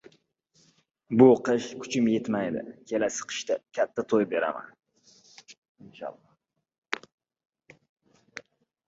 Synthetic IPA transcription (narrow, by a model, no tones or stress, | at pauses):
bʊqʰɨʃkʰʊ̥t͡ʃʰɪmjet̪majd̪ɪ̰kʲʰe̞lasɨ̥qʰɨ̥ʃt̪akʲʰat̪ʰːat̪ʰojbe̞ɾa̰ma̰n | ɪnʃɑ̰lˠːɒ